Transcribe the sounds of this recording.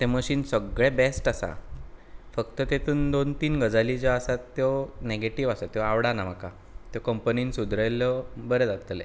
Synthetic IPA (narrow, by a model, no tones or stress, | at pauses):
t̪eməɕiːnsəɡɭebɛsʈasa̰ | fək̚t̪ət̪et̪ʰuːnd̪ont̪iːnɡəd͡zalid͡ʑaasat̪ːjɔneɡeʈiʋasat̪jɔaʋɽanam̤əka | t̪jɔkəmpəniːnsud̪ɾajləbəɾed͡zat̪əlḛ